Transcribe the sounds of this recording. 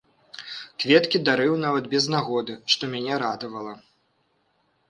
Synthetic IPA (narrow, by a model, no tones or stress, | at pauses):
kvʲɛt̪kʲid̪aɾɨwnavɐd̪bʲɛznaɣɔd̪ɨʂt̪ɔmʲanʲɛɾad̪ɐvɐlˠɐ